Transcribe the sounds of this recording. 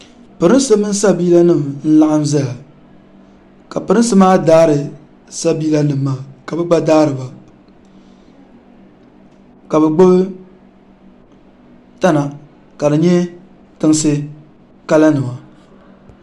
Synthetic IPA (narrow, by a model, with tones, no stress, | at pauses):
pɨ˨ɾɨ˦sɨ˦mɨ˦n˦sa˦biː˦la˦nɨ˦˨mn̩˦la˦ʔɨ˦m˦za˦ja˨ | ka˨pɨ˨ɾɨ˦nsɨ˦maː˦daː˦ɾɨ˨ | sa˦bi˦la˦nɨ˨mːaː˦˨ka˨bɛ˦ɡ͡ba˦daː˦ɾɨ˨ba˨ | ka˨bɛ˨ɡ͡bʊ˦b | ta˦na˨ | ka˨dɨ˨ɲɛ˦ | tɨ˦ŋsɨ˦ | ka˦la˦nɨ˨ma˨